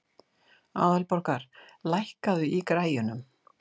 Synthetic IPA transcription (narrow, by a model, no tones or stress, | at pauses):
a̰ːðalpɔɾ̥kaɾ̥lajhkaðʏʔikɾaːjʏnʏm